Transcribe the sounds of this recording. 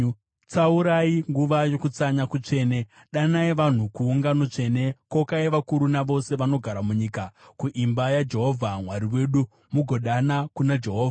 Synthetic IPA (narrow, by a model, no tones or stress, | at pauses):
t͡sauɾaiŋɡuʋajo̞kut͡saɲakut͡ʂe̞ːne | ɗanaiʋan̤ukuːŋɡanot͡ʂe̞ne̞ko̞kaiʋakuɾunaʋo̞se̞ʋano̞ɡʱaɾamuɲiːkakuʔimbajad͡ʒe̞ɦo̞vʱamwaɾiwe̞ːɗu | muɡʱoɗanakunad͡ʒe̞ɦoːvʱa